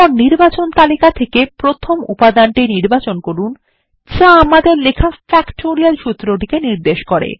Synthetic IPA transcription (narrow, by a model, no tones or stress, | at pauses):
ɔniɾbat͡ɕont̪alikat̪ʰekepɾot̪ʰomṵpad̪anʈiniɾbat͡ɕonkoɾun | t͡ɕaamad̪eɾlekʰafɛkʈoɾialʃut̪ːɾoʈikeniɾd̪eʃkoɾḛ